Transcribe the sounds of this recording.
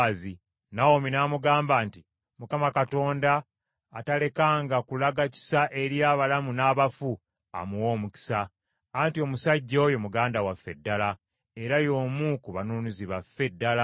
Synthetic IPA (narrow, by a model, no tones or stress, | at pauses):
zi | nawominaːmuɡaːmbaːnti | mukamakato̞ːndaː | tale̞kaːŋɡakulaɡaci̥saʔe̞ɾjaːβalamunaːβafu | a̰muwo̞ːmuci̥saː | ntio̞musaɟːojo̞muɡaːndawafːe̞dːala | e̞ɾajo̞ːmukuβanuːniziβafːe̞dːala